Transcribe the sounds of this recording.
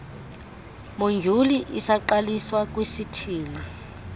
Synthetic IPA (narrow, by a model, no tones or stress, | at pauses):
moŋd͡ʒʱuliʔisaǃaliswak̬ʼwesitʰiːli